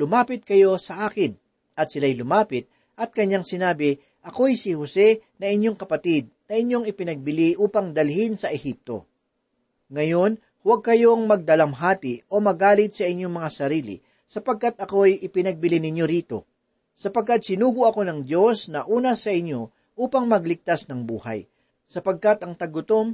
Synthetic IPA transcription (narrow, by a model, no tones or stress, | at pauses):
lʊmaːpɪt̪̚kɐjo̞sɐʔaːkɪn | ʔɐt̪sɪlajlʊmaːpɪt̪̚ | ʔɐt̪̚kɐɲaŋsɪnaːbɪ | ʔɐko̞ɐjsɪhosɛnɐʔɪɲjo̞ŋkɐpɐt̪ɪd̪̚nɐʔɪɲjo̞ŋɪpɪnɐɡ̚bɪliʔuːpɐŋd̪ɐlhɪnsɐʔɛhip̚t̪o̞̰ | ŋɐjo̞n | hwɐɡ̚kɐjo̞ŋmɐɡ̚d̪ɐlɐmɦaːt̪ɪʔo̞mɐɡaːlɪt̪̚sɐʔɪɲjoŋmɐŋasɐɾiːlɪ̰ | sɐpɐɡ̚kat̪ʔɐko̞jʔɪpɪnɐɡ̚bɪlinɪɲjo̞ɾiːt̪o̞̰ | sɐpɐɡ̚kːat̪̚sɪnuːɡʊɐko̞nɐŋd̪jo̞snɐʔuːnɐsɐʔɪɲjo̞ | ʔuːpɐŋmɐɡlɪɡ̚t̪asnɐŋbuːhɐ̰j | sɐpɐɡ̚kat̪ʔɐŋt̪ɐɡʊt̪o̞m